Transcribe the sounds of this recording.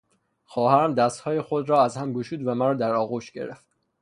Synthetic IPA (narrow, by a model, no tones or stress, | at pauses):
xɒːhæɾæmd̪æst̪hɒːjexod̪ɾɒːæzhæmɡoʃuːd̪væmæɾɒːd̪æɾɒːɣuːʃɟe̞̰ɾḛft̪̚